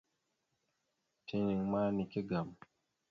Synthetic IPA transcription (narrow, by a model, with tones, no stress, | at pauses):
tʰi˦ɲi˨ŋmaː˦ni˨ki˦ɡa˨m